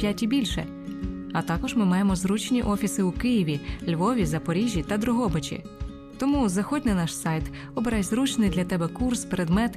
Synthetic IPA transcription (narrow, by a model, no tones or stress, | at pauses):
jatʲibʲilʲʃɛ̰ | ɐt̪ɑkɔʒmɪmɑjemɔzɾut͡ʃnʲiʔɔfʲisɪʊkɪjiʋʲilʲʋɔʋʲizɐpɔɾʲiʒʲːit̪ɐd̪ɾʊɦɔbet͡ʃḭ | t̪ɔmuzɐxɔdʲnɪnɑʃsɑjt̪ | ɔbeɾɑjzɾut͡ʃnɪjd̪lʲɐt̪ɛbɛkurspeɾed̪mɛt̪